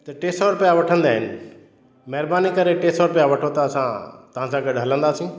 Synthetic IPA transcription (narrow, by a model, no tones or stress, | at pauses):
t̪ɐʈeːsɔːɾpejaʋɐʈʰə̃nd̪aːɦɪnɪ̆ | mɛɦɾbaːnikɐɾeʈeːsɔɾpejaʋɐʈʰot̪aɐsãt̪ɐʋ̤ãsãɡɐɖɦɐlə̃nd̪aːsĩ